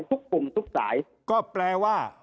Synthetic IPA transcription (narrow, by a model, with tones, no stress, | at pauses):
t̪ʰu˦˥k̚ku˨˧mt̪ʰu˦˥k̚sa̰ː˩˦j | kɔː˥˩plɛː˧waː˥˩